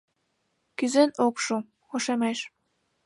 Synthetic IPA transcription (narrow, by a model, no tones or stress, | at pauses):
kyzenokʃu | xoʃemeʃ